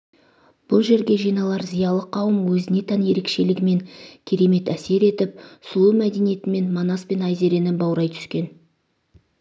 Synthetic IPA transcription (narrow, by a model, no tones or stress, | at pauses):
b̥ʊlˠʒe̞ɾɡʲe̞ʒijnɑlˠɑɾzijɑlˠəqʰːɑwəmwɵzɪne̞t̪ʰænje̞ɾe̞kʃe̞lɪɡʲɪme̞ŋkʲʰe̞ɾe̞me̞t̪æse̞ɾe̞t̪ɪp̚sʊlˠumæd̪e̞nije̞t̪ɪme̞nmonɑspe̞nɑjze̞ɾe̞nɪbɑwɾɑjt̪ʰʏ̥skʲe̞n